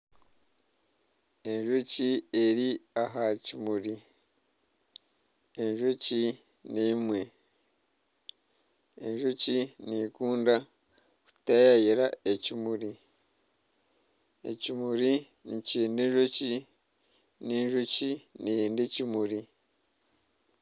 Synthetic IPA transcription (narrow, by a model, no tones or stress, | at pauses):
e̞ɲʒocieɾiaɦacimuɾi | eɲʒoci | niːmwe̞ | eɲʒocinikuːnda | ku̥tajajiɾaecimuɾi | ḛcimuɾi | niciːndeɲʒoci | neɲʒociniendecimuɾi